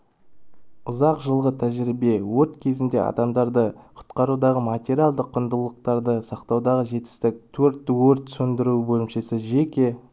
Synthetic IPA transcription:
ʊzɑqʒəlˠʁət̪ʰæʒɾibe̞wɵɾt̪kʲʰe̞zɪnd̪e̞̰ɑ̰d̪ɑmd̪ɑɾd̪əqʰʊ̥t̪qɑɾud̪ɑʁəmat̪ʲeɾʲialˠd̪əqʰːʊnd̪əlˠəqt̪ɑɾd̪əsɑqt̪ɑwd̪ɑʁəʒe̞t̪ɪ̥st̪ɪk̚t̪ʰɵɾt̪ːɪwɵɾt̪sɵnd̪ɪɾubɵlɪmʃe̞sɪʒekʲe̞

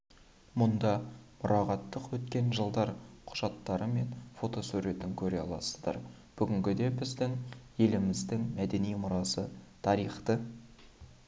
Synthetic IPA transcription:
mʊnd̪ɑmʊɾʔɑʁɑt̪ːəqwɵt̪kʲe̞nʒəlˠd̪ɑɾqʰʊ̥ʒ̥ɑt̪ːɑɾəme̞nfo̞t̪o̞sʉɾe̞t̪ɪŋkʲʰɵɾeɑ̰lˠɑ̰səzd̪ɑ̰ɾ | b̥ʏɡʲɪŋɡʲɪd̪e̞bɪzd̪ɪŋje̞lɪmɪzd̪ɪŋmæd̪e̞nijmʊɾɑsət̪ʰɑɾijχt̪ə

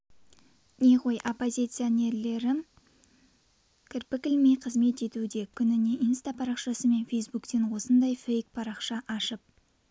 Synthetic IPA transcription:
ne̞ʁo̞jʔopːo̞zʲit̪sɨjonʲe̞ɾle̞ɾɪ | kʲʰɪɾpɪkʲɪlmejqʰəzme̞t̪e̞t̪ud̪e̞kʲʰʏnɪne̞ʔijnst̪apʰɑɾɑqʃɑsəme̞nfejsbukt̪e̞nwo̞sənd̪ɑjfejk̚pʰɑɾɑqʃɑʔɑʃəp̚

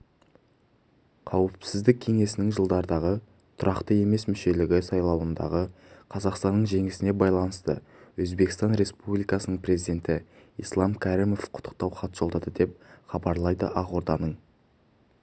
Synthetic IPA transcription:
qʰɑwɪpsɪzd̪ɪkʲʰːe̞ŋe̞sɪnɪŋʒəlˠd̪ɑɾd̪ɑʁə | t̪ʰʊɾʔɑqt̪əe̞me̞smɪʃe̞lɪɡʲɪsɑjlˠɑwənd̪ɑ̰ʁə | qʰɑzɑqst̪ɑnːəɴʒe̞ŋɪsɪne̞bɑjlˠɑnəst̪ə̰ | wɵzbe̞kɪst̪ɑnɾe̞spublˠijkɑsənəɴpɾe̞zid̪e̞nt̪ɪ | ḭslˠɑmkʲʰæɾimo̞fqʰʊ̥t̪ʰːə̥qt̪ɑwχɑt̪ʒ̥olˠd̪ɑd̪əd̪e̞p̚χɑbɑɾlˠɑjd̪ə̰ʔɑʁo̞ɾd̪ɑnəɴ

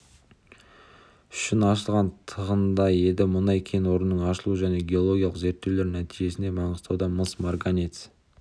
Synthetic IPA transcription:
ʏ̥ʃɪnɑʃəlˠʁɑnt̪ʰəʁənd̪ɑje̞d̪ɪmʊnɑjkʲʰe̞nwo̞ɾnːəɴɑʃəlˠuʒæne̞ɡʲeo̞lˠo̞ɡʲijɑlˠəqze̞ɾt̪ːe̞wle̞ɾnæt̪ʰiʒe̞sɪne̞mɑɴəzt̪ɑwd̪ɑməsmarɡanit̪s

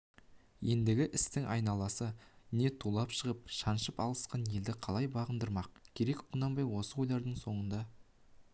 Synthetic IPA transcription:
je̞nd̪ɪɡʲɪʔɪst̪ɪŋʔɑjnɑlˠɑsəne̞t̪ʰulˠɑpʃəʁəp̚ʃɑnʃəpɑlˠəsqɑnje̞ld̪ɪqʰɑlˠɑjbɑʁənd̪əɾmɑq̚kʲʰe̞ɾe̞kqʰʊnɑmbɑjwo̞səwo̞jlˠɑɾd̪əɴso̞ɴənd̪ɑ

